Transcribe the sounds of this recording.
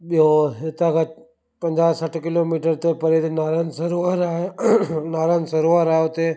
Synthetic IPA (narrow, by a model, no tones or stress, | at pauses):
ɓiɦoɦɪt̪ãka | pɐ̃ɲd͡ʑaːsɐʈʰkɪloːmiːʈəɾt̪epɐɾed̪naːɾansɐɾuaɾaːɦenaːɾaːnsɐɾuaɾaːɦeʊt̪e